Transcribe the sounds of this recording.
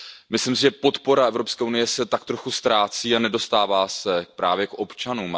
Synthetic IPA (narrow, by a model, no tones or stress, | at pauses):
mɪslɪmsɪʒɛpo̞t̪po̞ɾaʔɛvɾo̞pskɛːʔunɪjɛsɛt̪akt̪ɾo̞xust̪ɾaːt͡siːanɛdo̞st̪aːvaːsɛpɾaːvjɛkʔo̞pt͡ʃanuːm